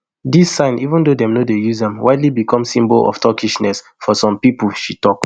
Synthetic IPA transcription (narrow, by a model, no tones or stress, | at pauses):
disːãɪ̃nivə̃ndodɛ̃mnodejuzdɛ̃mwaɪdlibikʰɔ̃msĩmbɔlɔ̰ftʰɔkiʃnɛs | fɔsɔ̃mpipəl̩ʃitɔk